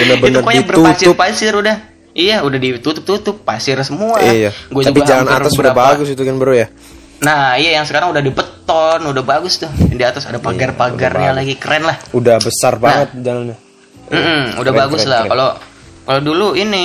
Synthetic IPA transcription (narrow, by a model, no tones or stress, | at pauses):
bənəbəinəkajabərusɪpasɪrudah | ijaudahdit̪ut̪ʊp̚t̪ut̪ʊpːasɪrsəmuaijaɡuad͡ʒ̪aupiad͡ʒalana̰asəuɾabaɡʊsit̪ukanbəɾuja | nahijajaŋsəkaɾaŋudahdibət̪ɔnudahbaɡʊst̪ʊhdiat̪asa̰dapaɡarpaɡarjalaɡikəɾɛnlahudahbəsarbaaŋət̪̚d͡ʒalanɲa | m̩ʔm̩udabaɡʊslakalokaloduluini